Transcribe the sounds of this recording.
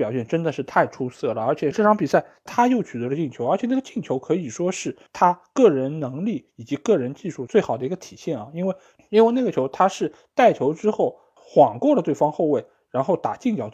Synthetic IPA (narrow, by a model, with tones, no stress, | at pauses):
pjɑ˨˩ʊɕjɛ˥˩nʈ͡ʂə˥nd̪ə˨ʂɻ̩˥˧t̪ʰa˥˩ɪʈ͡ʂʰu˥sɤ˥˩lə˩ə˞˧˥t͡ɕʰjɛ˨˩ʈ͡ʂɤ˥˩ʈ͡ʂʰɑ˧˥ŋpi˨˩sa˥˩ɪt̪ʰa˥jo˥˩ʊt͡ɕʰy˨˩t̪ə˧˥d̪ə˧t͡ɕi˥˩ŋt͡ɕʰjo˧˥ʊə˞˧˥t͡ɕʰjɛ˨˩na˥˩ɡə˧t͡ɕi˥˩ŋt͡ɕʰjo˧˥ʊkʰɤ˧˥i˨˩ʂwɔ˥ʂɻ̩˥˩t̪ʰa˥kɤ˥˩ɻə˧˥nnɤ˧˥ŋli˥˩i˨˩t͡ɕi˧˥kɤ˥˩ɻə˧˥nt͡ɕi˥˧ʂu˥˧t͡swe˥˩ɪxɑ˨˩ʊd̪ə˦i˧˥ə˧t̪ʰi˨˩ɕjɛ˥˩nɐ˩i˥nwe˥˧ɪ | i˥nwe˥˧ɪna˥˩ɡə˩t͡ɕʰjo˧˥ʊt̪ʰa˥ʂɻ̩˥˩ | t̪a˥˩ɪt͡ɕʰjo˧˥ʊʈ͡ʂɻ̩˥xo˥˩ʊ | xwɑ˨˩ŋkwɔ˥˩lə˨˩t̪we˥˩ɪfɑ˥ŋxo˥˧ʊwe˥˩ɪ | ɻa˧˥nxo˥˩ʊt̪a̰˨˩t͡ɕi˥˩ŋt͡ɕjɑ˨˩˥ʊ